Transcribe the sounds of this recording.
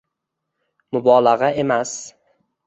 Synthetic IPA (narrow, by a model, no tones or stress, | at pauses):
mʊbɒlˠaʁae̞mas